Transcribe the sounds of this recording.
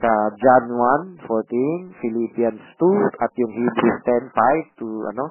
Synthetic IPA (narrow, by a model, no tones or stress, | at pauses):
sad͡ʒanwanfɔɾt̪infilipianst̪utat̪̚jʊŋhibɾist̪ɛnfajft̪ua̰no